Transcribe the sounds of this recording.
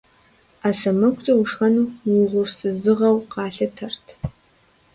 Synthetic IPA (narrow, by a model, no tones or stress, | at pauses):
aːsɐmɐkʷʰʼt͡ʃʼɐwʊʂxɐnuːwʊʁʷʊrsɨzɨʁɐwqɑːɬɨtʰɐrtʰ